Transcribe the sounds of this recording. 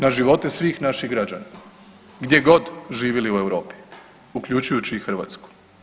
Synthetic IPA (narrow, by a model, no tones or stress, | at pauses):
naʒiʋo̞t̪esʋiːxnaʃiɣɡɾad͡ʑana | ɡd̪jeɡo̞d̪ʒiːʋiliue̞wɾo̞ːpi̥ | ukʎʲut͡ʃujut͡ɕiːxr̩ʋa̰t̪sku̥